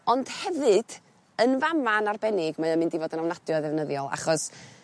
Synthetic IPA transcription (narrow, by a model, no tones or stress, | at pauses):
ɔnd̥hɛvɨd̥ | ənvamanarbɛnɪɡmaamɨndivɔdənawnad̥jɔaðɛvnəðjɔlˠa̰χɔs